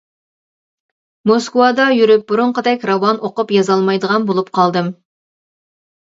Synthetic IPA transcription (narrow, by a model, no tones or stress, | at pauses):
moskwɑd̪ɑjyɾyp̚bʊɾʊɴqəd̪ɛkʲɾɑwɑnʔoqʊpjɑzɑlˠmɑjd̪əʁɑnbolˠupqʰɑlˠd̪ɨm